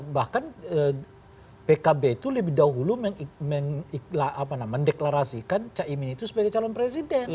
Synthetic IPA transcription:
bahkanə | pekabeit̪uləbɪhdaɦuluməŋməŋiklaapanaməndeklaɾasikant͡ʃaʔiminit̪usəbaɡajt͡ʃalɔnpɾes̬idɛn

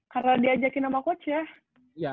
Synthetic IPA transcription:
karnadiad͡ʒakinamakot͡ʃia | ja

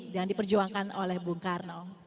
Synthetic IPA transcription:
daŋdipərd͡ʒuaŋkanolɛhbuŋkarnɔ

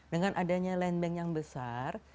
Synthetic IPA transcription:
dəŋanʔadaɲalɛnbɛŋjaŋbəsar

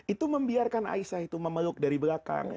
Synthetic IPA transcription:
it̪uməmbiarkana̰isahit̪uməməlʊk̚daɾibəɾaka̰ŋ

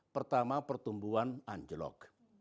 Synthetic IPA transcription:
pərt̪amapərt̪umbuanaɲd͡ʒəlɔ̰k

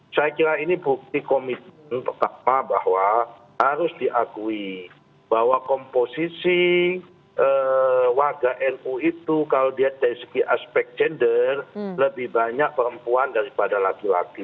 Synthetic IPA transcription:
sajakiɾainibuk̚t̪ikomit̪̚mənt̪ərt̪aʔ̚mabahwa | haɾʊsdiʔakui | b̥ahwakɔmposisi | ʔəwarɡaʔɛnuit̪ukalodiadaɾisəɡiʔaspɛk̚d͡ʒɛndərləbɪhbaɲak̚pəɾəmpuandaɾipadalakila̰ki

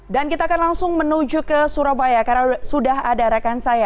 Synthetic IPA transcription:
dankit̪aːkanlaŋsʊŋmənud͡ʒukəsuɾabajakarasudaɦadaɾakansaja

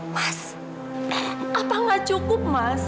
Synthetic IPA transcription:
mas | apaŋḁt͡ʃukʊp̚mas

